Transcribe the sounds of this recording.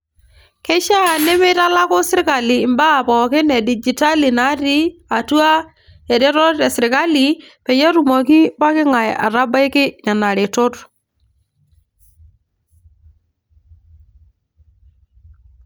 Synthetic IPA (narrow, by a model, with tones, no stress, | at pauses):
kɛ˦ʃa˦˨nɪ˦mɪ˦ta˦la˦kʊ˦sɪ˦ɾka˨liː˨mba˦˨pɔ˨kɪ˦nɛ˨di˨d͡ʒi˨ta˦li˨na˦ti˦a˨tu˦a˦ | ɛ˨ɾe˦ɾɔ˦tɛ˨sɪ˨ɾɪ˨ka˦li˨ | pɛ˨jɛ˦ɾu˨mo˨ki˦pa˦kɪ˦ŋa˨ja̰˨ɾa˦ba˦jkɪ˦na˨na˨ɾɪ˨tʊ˦t